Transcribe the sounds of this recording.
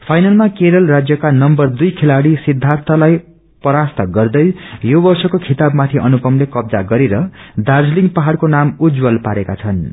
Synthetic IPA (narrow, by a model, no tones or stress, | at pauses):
pʰajnalmakeɾʌlrad͡zjʌkanʌmbʌrd̪ujkʰelaɽisid̪ʱːãnt̪ʰʌlaj | pʌɾast̪ʌɡʌrd̪ʌjjobʌrsʌkokʰit̪abmat̪ʰiʔʌnukʌmlekʌb̚d͡zaɡʌɾeɾʌd̪ard͡zliŋɡpaɦaɽkonamud͡zwʌlpaɾekat͡sʰʌn